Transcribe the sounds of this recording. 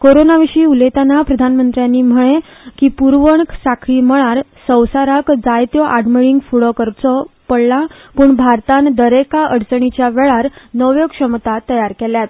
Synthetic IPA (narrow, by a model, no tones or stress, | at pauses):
koɾonaʋiʂiːulet̪anapɾəd̪ʱanmənt̪ɾjanːiːm̤əɭ̃e | kiːpuɾʋəɳksakʰɭiːməɭ̃aɾ | sə̃wsaɾakd͡zajt̪jɔʔaɽmiɭiŋɡfuɭɔkəɾt͡sɔpəɽla | puːɳbʱaɾt̪ãnd̪əɾekaʔəɽt͡səɳ̃it͡ɕjaʋɛɭaɾnəʋjokʂəmt̪at̪əjaɾkeljat̪